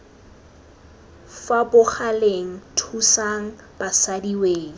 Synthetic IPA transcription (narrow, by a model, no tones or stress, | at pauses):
fabʊχaleŋ̩tʰusaŋ̩ | b̥asadiweːŋ̩